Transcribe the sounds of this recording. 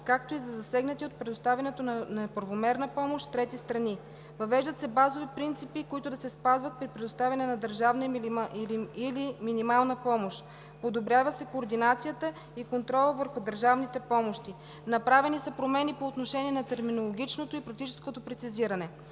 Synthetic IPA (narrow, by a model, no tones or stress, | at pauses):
kak̚t̪oizɐzɐsɛɡnət̪iot̪̚pɾɛd̪ost̪avʲɐnɛt̪onɐnɐpəɾvomɛɾnəpɔmoʃt̪ɾɛt̪ist̪ɾɐni | vɐvɛʒd̪ət̪sɛbazovipɾint̪sipikoit̪ʊd̪ɐsɛspazvɐt̪̚pɾipɾɛd̪ost̪avʲɐnɛnɐd̪əɾʒavnə | iliminimalˠnəpɔmoʃ | pod̪obɾʲavəsɛkoːɾd̪inat̪sijət̪ə | ikont̪ɾɔlˠəvəɾxʊd̪əɾʒavnit̪ɛpɔmoʃt̪i | nɐpɾavɛnisɐpɾomɛnipoːt̪noʃɛniɛnɐt̪ɛɾminolˠoɡ̟ʲit͡ʃnot̪oipɾɐk̚t̪it͡ʃɛ̥skot̪opɾɛt̪siziɾɐnɛ